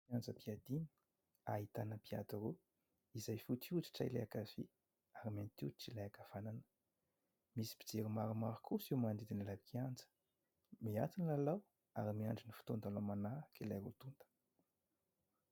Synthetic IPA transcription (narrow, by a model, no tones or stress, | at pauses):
and͡zəpiad̪ini̥ | aɦit̪anəpia̰d̪iru | izajfut̪iuʈ͡ʂi̥ʈ͡ʂa̰ila̰jakav̥ḭ | aɾimant̪uiʈ͡ʂilajakav̥ananə̥ | misi̥bi̥d͡zeɾimaɾumaɾkʰusiwmand̪id̪inilabikiand͡zə̥ | mia̰t̪inilalaw | a̰ɾimiaɳɖ͡ʐinifi̥t̪ond̪alamanakilajɾut̪und̪ə̥